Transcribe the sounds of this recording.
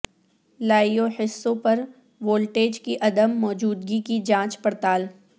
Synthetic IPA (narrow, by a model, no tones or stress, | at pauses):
laːijohɪsːõpɐɾ | ʋoːlʈeːd͡ʒkiʔɐd̪əmːɔːd͡ʒuːd̪ɡikid͡ʒãːt͡ʃpɐɾt̪aːl